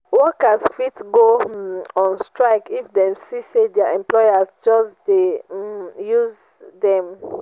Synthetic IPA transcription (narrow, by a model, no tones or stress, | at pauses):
wɔkasfitɡo | ɔ̃nstɹaɪkifdɛ̃msisedɛaɛ̃mplɔjazd͡ʒɔsde | juz | dɛ̃m